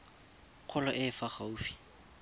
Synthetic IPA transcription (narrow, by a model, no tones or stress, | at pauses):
q͡χʰɔlɔʔɪfaχauːfi̥